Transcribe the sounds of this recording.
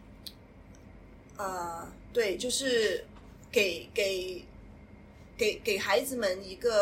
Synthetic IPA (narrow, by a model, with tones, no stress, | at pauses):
ə˧t̪we˥˩ɪt͡ɕjo˥˧ʊʂɻ̩˥˩ | ke˨˩ɪke˨˩ɪ | ke˨˩ɪke˨˩ɪxa˧˥ɪd͡zɹ̩˨mə˧ni˧˥ɡə˧